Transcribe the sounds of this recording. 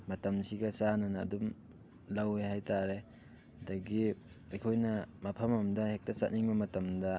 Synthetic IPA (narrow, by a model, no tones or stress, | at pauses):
mɐtɐmsiɡɐsanɐnɐ̰ːdum | lawehajtaɾe | hɐdɐɡi | ɐjkʰojnɐmɐpʰɐmɐmdɐhek̚tɐsat̚niŋbɐmɐtɐmdɐ